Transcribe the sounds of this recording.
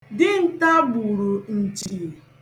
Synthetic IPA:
dɪ˦n̩˦ta˦bu˨ɾu˨n̩˨ti˨

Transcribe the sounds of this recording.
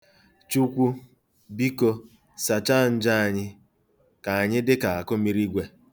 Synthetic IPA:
t͡ʃu˦kʷu˦ | bi˦ko˦ | sa˨t͡ʃa˦˨n̩˦d͡ʒa˦a˨ɲɪ˦ | ka˨a˨ɲɪ˦dɪ˦ka˨a˨kʊ˦mi˦ɾi˦ɡʷe˦

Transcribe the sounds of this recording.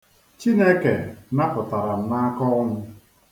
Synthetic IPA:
t͡ʃi˦ne˦ke˨na˦pʊ˨ta˨ɾa˨n̩˦na˦kɔ˦nʊ˦

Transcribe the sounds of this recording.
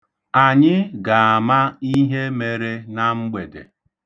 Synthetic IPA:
a˨ɲɪ˦ɡa˨a˨ma˦i˦ɦe˦me˨ɾe˦na˨ŋ͡m̩˦ɡ͡be˨dḛ˨

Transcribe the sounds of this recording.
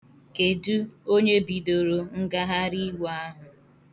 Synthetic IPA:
ke˨du˦o˦ɲe˦bi˨do˨ɾo˨ŋ̩˦ɡa˦ɦa˦ɾi˦wa˦a˦ɦʊ˨

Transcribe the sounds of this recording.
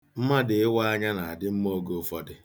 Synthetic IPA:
m̩˦ma˦dɪ˨ɪ˦wa˦a˦ɲa˦na˨a˨dɪ˦m̩˦mo˦ɡo˦˨fɔ˦dɪ˨

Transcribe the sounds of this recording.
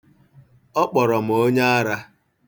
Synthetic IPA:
ɔ˦k͡pɔ˨ɾɔ˨m̩˨o˦ɲa˦a˦ɾa˦

